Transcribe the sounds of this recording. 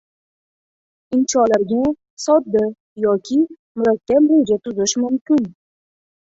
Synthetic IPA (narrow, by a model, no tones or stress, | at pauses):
ɪnt͡ʃɒlaɾɡʲa | sɒd̪ːɪ | jɒkʲʰɪ | mʊɾakʲʰːabbojɪd͡ʒat̪ʰʊzɪʃmʊmkʲɪn